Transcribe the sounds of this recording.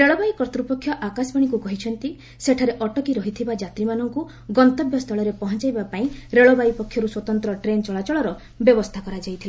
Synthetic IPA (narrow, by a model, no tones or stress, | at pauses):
ɾeɭɔbaikɔɾt̪ɾupɔkʰːjɔʔakasbaɽ̃ikukɔɦit͡ʃʰɔnt̪i | seʈʰaɾeʔɔʈɔkiɾɔɦit̪ʰibad͡ʒat̪ɾimanɔŋku | ɡɔnt̪ɔbjɔst̪ʰɔɭɔɾepɔɦɔnt͡ʃajbapaĩɾeɭɔbaipɔkʰjɔɾuswɔt̪ɔnt̪ɾɔʈɾent͡ʃɔɭat͡ʃɔɭɔɾɔ | bjɔbɔst̪ʰakɔɾad͡ʒajt̪ʰile